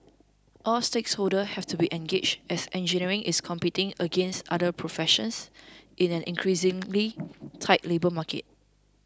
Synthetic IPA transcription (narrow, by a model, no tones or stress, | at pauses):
ʔɔlsteksholdəhɛftubiʔɛ̃nɡet͡ʃɛsɛ̃nd͡ʒiniɹɪ̃ŋʔɪskʰɔ̃mpitɪ̃ŋəɡɛ̃nstadəpʰɹofɛʃə̰̃nsʔɪ̃nɛ̃nʔɪ̰̃nkʰɹisɪ̃ŋlitʰaɪtlebəmakə̰t̚